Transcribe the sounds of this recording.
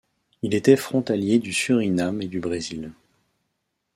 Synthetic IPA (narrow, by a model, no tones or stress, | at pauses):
ilet̪ɛfχɔ̃t̪aljed̪ysyʁinamed̪ybʁezil